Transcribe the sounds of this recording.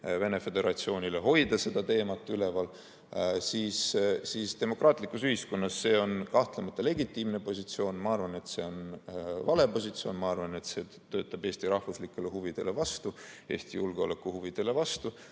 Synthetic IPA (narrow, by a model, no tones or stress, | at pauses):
ve̞ne̞fe̞d̪e̞ɾɑt̪sio̞ːnʲile̞ɦo̞jd̪̥ɑse̞d̪̥ɑt̪e̞ːmɑt̪ˑːyle̞vɑl | siːssiːst̪e̞mo̞kːrɑːt̪ˑlikːˑusyhisko̞nːɑsːe̞ːo̞nkɑht̪lemɑt̪ːˑɑle̞ɡit̪ːˑiːmne̞po̞sit̪sio̞ːnmɑɑrvɑne̞t̪se̞o̞nvɑle̞po̞s̬ʲit̪sio̞ːnmɑɑrvɑne̞t̪se̞ | t̪ø̞ːt̪ːˑɑb̥e̞ːst̪iɾɑhfuslikːˑe̞le̞huvid̪̥e̞le̞vɑst̪ue̞ːst̪ijulɡ̥eo̞̰le̞kːˑuhuvid̪̥e̞le̞vɑst̪u